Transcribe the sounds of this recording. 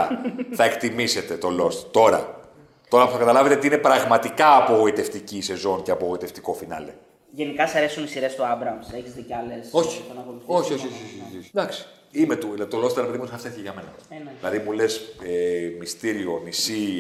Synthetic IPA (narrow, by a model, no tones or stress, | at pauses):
θɐe̞kt̪imise̞t̪e̞t̪o̞lo̞st̪t̪o̞ɾɐ̰ | t̪o̞ɾɐpu̥θɐkɐt̪ɐlɐvet̪eoiine̞pɾɐɣmɐt̪ikɐːpo̞ɣo̞it̪e̞ft̪icise̞zo̞nceɐpoɣo̞it̪e̞ft̪i̥ko̞finɐ̰lḛ | ʝenikɐsɐɾe̞sunisiɾest̪oɐbɾɐmseçizðicɐleso̞çi̥ɐnɐkoluθo̞çioçioçoççd̪ɐksi̥ | imet̪uðilɐðit̪o̞lo̞st̪ɾepeðimot̪sɐfsteθiceʝɐme̞nɐ̰ðilɐðimulesemist̪iɾio̞nisi